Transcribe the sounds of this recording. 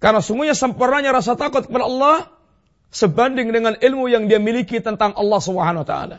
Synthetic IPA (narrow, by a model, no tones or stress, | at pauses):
karnasuŋɡuɲasəmpurnaɲaɾas̬at̪akʊt̪̚kəpadaɑlːɑh | səbandɪŋdəŋanɪlmujaŋdiamilikit̪ənt̪aŋʔɑlːɑhsubəɦanwat̪a̰la̰